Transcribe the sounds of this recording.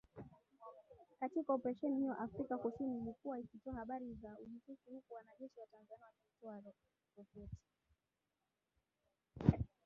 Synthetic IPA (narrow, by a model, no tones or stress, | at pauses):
katikaɔpɛɾaʃɛnihiɔʔafɾikakusinilikuwaikitɔahaɓaɾizauʄitukihukuwanaʄɛʃiwatanzaniwakitɔaɾɔ | ɾɔfɛti̥